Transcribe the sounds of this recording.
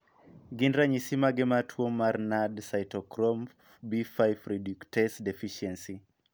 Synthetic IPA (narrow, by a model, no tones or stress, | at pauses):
ɡindɾaɲisimaɡematʰwomarnadsajtɔkɾɔm | bifajfɾiduktɛsdefiʃiɛnsi